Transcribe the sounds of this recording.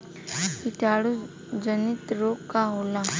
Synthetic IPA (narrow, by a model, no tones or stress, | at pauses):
iʈʰaɽu | d͡ʒənit̪ɾokkaɦola